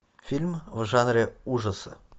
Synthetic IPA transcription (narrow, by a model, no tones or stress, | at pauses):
fʲilʲmvʒɑnrʲeuʐəsɤ̰̆